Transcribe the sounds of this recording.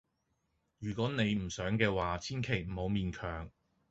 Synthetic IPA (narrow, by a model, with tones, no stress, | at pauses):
jyː˨˩kʷɔː˨˥ne˨˧jm̩˨˩sœː˨˥ŋkɛː˧waː˨t͡sʰiː˥nkʰe˨˩jm̩˨˩ho˨˧wmiː˨˧nkʰœː˨˩ŋ